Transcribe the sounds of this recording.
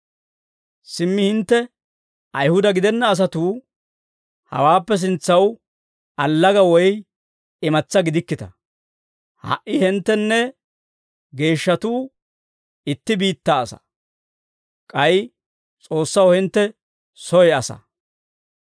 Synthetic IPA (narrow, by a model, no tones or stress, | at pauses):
sɪmːɪhɪnt̪ːɛ | ɐjhʊd̪ɐɡɪd̪ɛnːɐːs̬ɐt̪uː | hɐ̰waːpːɛs̬ɪnt͡sːɐw | ɐlːɐɡɐwɔj | ɪmɐt͡sːɐɡɪd̪ɪkːɪt̪ɐ | hɐ̰ʔːɪhɪnt̪ːɛnːɛ | ɡe̞ːʃːɐt̪uː | ɪt̪ːɪbiːt̪ːaːsɐ̰ | kʼɐj | t͡sʼo̞ːsːɐwhɪnt̪ːɛ | sɔjɛɐsɐ̰